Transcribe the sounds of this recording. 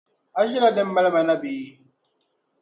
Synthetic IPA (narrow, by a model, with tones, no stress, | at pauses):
a˦ʃi˦la˦dɛ˦mː˦a˦lma˨na˦biː˨˦